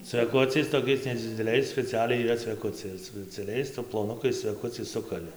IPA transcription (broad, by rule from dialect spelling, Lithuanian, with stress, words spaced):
t͡sʲʋʲɛˈkʊt͡sʲɛɪs toːˈkʲɛɪs nʲɛd͡zʲɪdʲɛˈlʲɛɪs sʲpʲɛt͡sʲɪˈɑːlʲɛɪ iːˈrɐ t͡sʲʋʲɛˈkʊt͡sʲɛɪ ɪr sʊ sʲpʲɛt͡sʲɛˈlʲɛɪs plˠoːˈnʊkɐɪs t͡sʲʋʲɛˈkʊt͡sʲɛɪs ˈsʊkɐlʲɪ